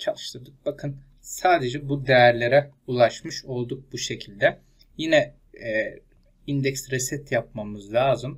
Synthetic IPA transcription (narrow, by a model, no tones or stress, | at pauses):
t͡ʃʰalˠɯʃlˠɯɾd̪ɯk̚bakʰɯn | saːd̪e̞d͡ʒɛbud̪ejæɾlʲe̞ɾɛ | ulˠaʃmɯʃo̞lˠd̪uk̚buʃe̞cʰilʲd̪ɛ | jinɛ | ind̪ɛkst̪ɾesɛt̪jap̚mamɯzlʲˠaːzɯm